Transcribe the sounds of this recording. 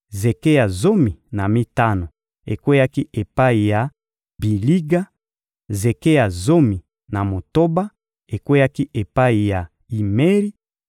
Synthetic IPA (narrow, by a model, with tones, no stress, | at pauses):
ze˨ke˦ja˨zo˦mi˨na˨mi˦ta˦no˨ | e˨kwe˦ja˦ki˦ʔe˨pa˦i˨ja˨ | bi˨li˦ɡa˦ | ze˨ke˦ja˨zo˦mi˨ | na˨mo˨to˦ba˦ | e˨kwe˦ja˦ki˦ʔe˨pa˦i˨ja˨ | i˨me˦ʁi˦